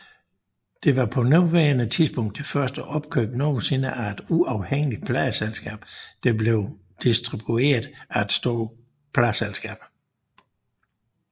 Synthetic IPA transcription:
d̥e̝ʋɑ̈pʰɒ̽nuʋæːɐnət͡sʰiðˠsb̥ɔ̽ŋ̰d̥efɶɐsd̥əʔɒ̽b̥̚kʰø̰ːb̥nɔ̰ːsenəʔæed̥uʔɑ̈ʊheŋ̰əlid̥̚pʰlɛɪəselsɡ̥ɛ̰ːb̥d̥eble̝ʊ | d̥isd̥ʁib̥ue̝ːɐðˠæed̥sd̥o̝ːɐ | pʰlæselsɡ̥ɛ̰ːb̥

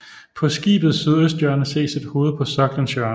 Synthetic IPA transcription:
pʰɒ̽sɡ̥ḭːb̥ð̩ˠsyð̞ˠøsd̥jœɐnəse̝̰ːsid̥ho̝ːð̞̩ˠpʰɒ̽sɒ̽ɡ̥lænsjɶɐn

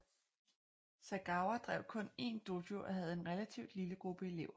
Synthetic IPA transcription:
sæɡ̥ɑ̈ʊɐd̥ʁɛ̰ʊ̰kʰɔ̽ne̝̰ːnd̥odjoʔɒ̽ɦæð̞̩ˠe̝nʁelæt͡sʰiʊ̰d̥liləɡ̥ʁub̥əe̝le̝ʊ̰ɐ

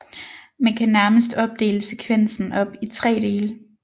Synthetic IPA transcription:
mænkʰænæɐməsd̥ɒ̽b̥̚d̥e̝̰ːləse̝kʰʋen̰sn̩ɒ̽b̥it͡sʰʁɛ̰ːd̥e̝ːlə

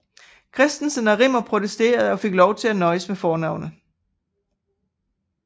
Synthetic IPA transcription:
kʰʁɛsd̥n̩sənæʁimɐpʰʁo̝t͡sʰesd̥e̝̰ːɐð̞̩ˠɒ̽fe̝ɡ̥lɒʊt͡sʰe̝lænɒ̽ɪəsmefɒːnɑ̈ʊ̰nə

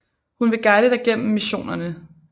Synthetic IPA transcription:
hunʋe̝ɡ̥ɑ̈ɪðəd̥ɑ̈ɪɡ̥en̰m̩ːiɕo̝̰ːnɐnə

